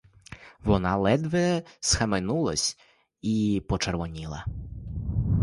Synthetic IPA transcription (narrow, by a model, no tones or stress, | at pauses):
ʋɔnɑlˠɛd̪ʋɛsxɐmenulˠɐsʲ | ipɔt͡ʃerʋɔnʲilˠɐ̰